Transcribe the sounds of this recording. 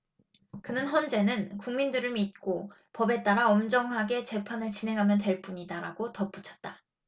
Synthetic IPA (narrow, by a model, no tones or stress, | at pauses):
kɯnɯnçʌnd͡ʑe̞nɯnkuŋmindɯɾɯɭmit̚k͈o | pʌbe̞t͈aɾaʌmd͡ʑʌŋɦaɡe̞t͡ɕe̞pʰanɯɭt͡ɕinɦe̞ŋɦamjʌntwe̞ɭp͈uɲidaɾaɡotʌp͈ut͡ɕʰʌt̚t͈a